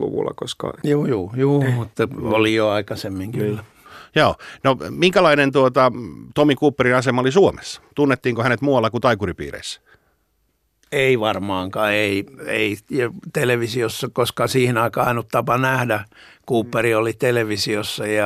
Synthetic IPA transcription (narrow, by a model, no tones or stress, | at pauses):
lṵʋṵlːɑ̰koskɑ̰juːjuːjuːmut̪ːɑolijoɑikɑsemːiŋkylːæ | joːnomiŋkælɑinent̪uot̪ɑt̪omikuːpːerinɑsemɑolisuomesːɑ̥t̪unːet̪ːiːŋkohænet̪muɑlːɑkut̪ɑikuripḭːrḛisːæ̥ | eiʋɑrmɑːŋkɑeiḛijɑt̪eleʋisiosːɑkoskɑsiːhinɑikɑːɑinut̪t̪ɑpɑnæhdækuːpːeriolit̪eleʋisiosːɑjɑ